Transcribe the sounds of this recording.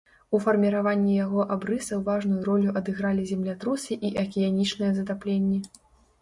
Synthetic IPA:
ufɐrmʲiɾavanʲːijaɣɔʔabɾɨsɐwvaʐnujuɾɔlʲuʔɐd̪ɨɣɾalʲizʲɛmlʲat̪ɾusʲiʔiʔɐkʲijanʲit͡ʂnɐjɛzɐt̪aplʲenʲːɛ

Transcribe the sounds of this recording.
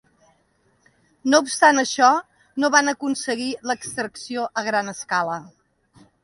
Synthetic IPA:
noupst̪anəʃɔ | noβanəkunsəɣiləkst̪ɾəksioʔəɣɾanəskalə

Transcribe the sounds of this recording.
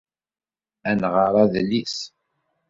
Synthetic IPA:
ænʁəɾˤɑðlːis

